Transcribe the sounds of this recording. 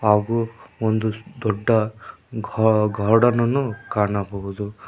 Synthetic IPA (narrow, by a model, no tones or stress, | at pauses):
aːɡuond̪ud̪ɔɖːɐɡʱɡʱɐɾɽɐnɐnːukaːɳɐbɐɦud̪u